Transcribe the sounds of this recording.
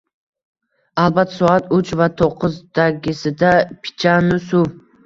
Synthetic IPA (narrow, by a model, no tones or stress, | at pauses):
alˠbat̪sɔat̪ʊt͡ʃvat̪ʰoqʰːɨzd̪aɡʲɪsɪd̪apʰɪ̥t͡ʃʰanʊsʊ